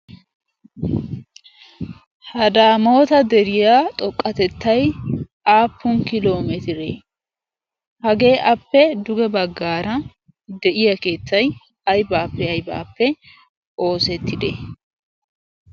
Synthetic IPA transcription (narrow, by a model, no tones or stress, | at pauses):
hɐd̪aːmo̞ːt̪ɐd̪ɛɾɪjaːt̪ʼɔkʼːɐt̪ɛt̪ːɐj | aːpːʊnkɪlo̞ːmɛt̪ɪɾe | hɐɡe̞ːʔɐpːɛd̪ʊɡɛbɐɡːaːɾɐ | d̪ɛʔɪjɐke̞ːt͡sːɐj | ɐjbaːpːɛɐjba̰ːpːɛ | o̞ːsɛt̪ːɪd̪ɛ̰